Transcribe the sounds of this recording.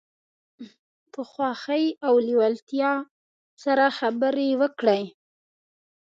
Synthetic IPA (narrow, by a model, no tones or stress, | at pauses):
t̪əxwɑxəjawliwalt̪jɑ | saɾaxabəɾewəkɽəj